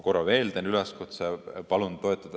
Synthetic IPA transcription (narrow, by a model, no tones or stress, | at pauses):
ko̞ɾɑve̞ːld̪enyleskut̪sepɑlunːo̞et̪ːˑɑd̪̥